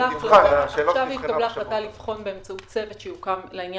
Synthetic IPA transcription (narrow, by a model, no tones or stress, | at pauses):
aχlaʃavvhit̪kableaχlat̪alifχo̞nbeemt͡sautt͡se̞vet̪ʃejukamleinj